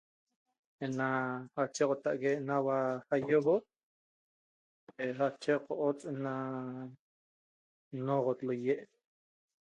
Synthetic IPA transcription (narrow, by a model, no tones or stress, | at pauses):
enahat͡ʃeqʼot̪aʔkeʔnawahajobo | eχat͡ʃeqoʔot͡sʼena | noqot̪lojeʔ